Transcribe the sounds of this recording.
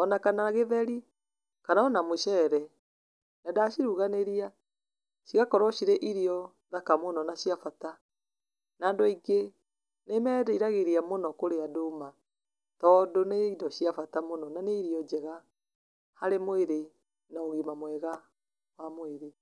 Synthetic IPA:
ɔnakanaɣeðɛɾi | kanaɔnamoʃɛɾɛ | nadaʃiɾuɣaneɾia | ʃiɣakɔɾɔʃiɾeʔiɾiɔ | ðakamonɔnaɕjafata | naːndɔiɡe | nemɛdɛiɾaɣeɾiamonɔkoɾeadoma | tɔːndoneidɔʃiafatamonɔnaneiɾiɔd͡ʒɛɣa | haɾemoeɾe | naoɣimamwɛɣa | wamoeɾe

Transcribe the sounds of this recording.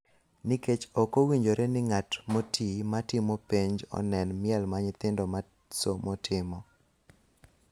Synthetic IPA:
niket͡ʃokowiɲd͡ʒoɾenɪŋatmotimatɪmopeɲd͡ʒɔ̰nɛnmɪɛlmaɲɪt̪ɪndɔma | somɔtʰɪmɔ

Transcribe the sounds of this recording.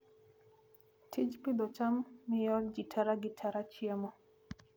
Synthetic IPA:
tʰid͡ʒpid̪ɔt͡ʃamːɪjɔlɡitʰaɾaɡɪtʰaɾat͡ʃjamɔ

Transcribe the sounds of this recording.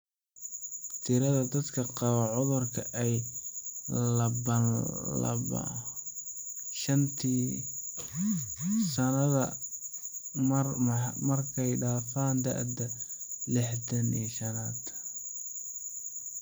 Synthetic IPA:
t̪ʰɪɾɐðɐd̪ɐd̪kʰɐqɑβɐʕʊðɐrkʰɐʔɛj | lɐbɐlɐ̰bɐ̰ | ʃɐnt̪ʰiː | sɐnɐðɐ | mɐrkʰɛjɖaːfaːnd̪ɐ̰ʕd̪ɐlɪħt̪ɐnḭːʃɐnaːd̪

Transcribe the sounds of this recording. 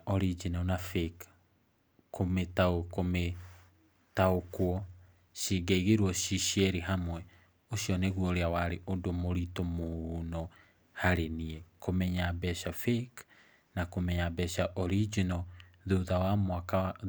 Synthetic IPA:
ɔɾid͡ʒinɔnafek | kometaokome | taokwɔ | ʃiɡeiɣeɾwɔʃiʃiɛɾiɦamwɛ | oʃjɔneɣwɔoɾeawaɾeʔodomoɾitomonɔ | haɾeniɛkomɛɲabɛʃafek | nakomɛɲabɛʃaʔɔɾid͡ʒinɔðoðawamwaka

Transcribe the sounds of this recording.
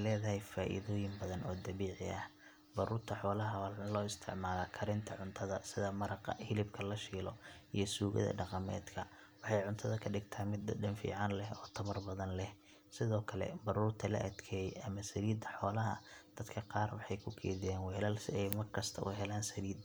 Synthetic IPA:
lɛːðɐɦɛjfaːʔɪ̰ðɔːjɪmbɐðɐnɔːd̪ɐβiːʕɪ̰ʔɐh | bɐɾuːrt̪ʰɐħɔːlɐɦɐwalɔːɪst̪ʰɪʕmaːlakʰɐɾɪnt̪ʰɐʕʊnt̪ʰɐðɐsɪðɐmɐɾɑqɑ̰hɪlɪbkʰɐlɐʃiːlɔʔijɞsuːɣɐ̰ðɐ̰ɖɑqɑmɛ̰ːd̪kʰɐ | wɑħɑjʕʊnt̪ʰɐðɐkʰɐɖɪɡt̪ʰaːmɪd̪ɐɖɐnfḭːʕɑnlɛhɔːt̪ʰɐmɐrbɐðɐnlɛh | sɪðɔːkʰɐlɛ̰bɐɾuːrt̪ʰɐlɐ̰ʔɐd̪kʰɛːjɛʔɐmɐsɐɾiːd̪ɐħɔːlɐɦɐ̰d̪̥ɐd̪kʰɐqɑːrwɑħɑjkʰʊkʰɛ̰ːðɪjaːnwɛlaːlsɛjmɐrkʰɐst̪ʰɐʔʊ̰ɦɛlaːnsɐɾiːd̪

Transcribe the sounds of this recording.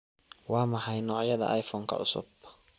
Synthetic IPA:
wɑːmɐhɐjnɔːʕjɐðɐ̰ʔajfɔːŋkʰɐ̰ʔʊsʊ̰b

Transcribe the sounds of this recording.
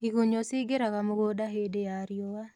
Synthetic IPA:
ikoɲosɪɡeɾakamoɡodaɦedeaɾjɔwa

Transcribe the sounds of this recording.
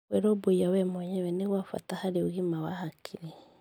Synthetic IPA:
wɛɾɔboiawɛmɔɲɛwɛneɣwafa̰tahaɾeoɣimawahakʰiɾe

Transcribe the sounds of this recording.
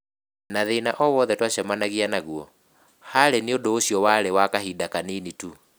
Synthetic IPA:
naðenaʔɔwɔðɛtwaɕamanaɣianaɣuɔ | haɾeneodoːɕiɔwaɾewakaɦidakaninitu

